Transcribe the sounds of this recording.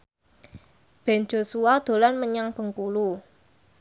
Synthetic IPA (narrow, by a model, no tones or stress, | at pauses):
b̥ɛ̤n̥d͡ʒo̤suad̪̥o̤lanməɲaŋb̥ə̤ŋkulu